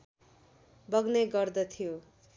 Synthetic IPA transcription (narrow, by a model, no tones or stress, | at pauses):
bʌɡneɡʌrd̪ʌt̪ʰijo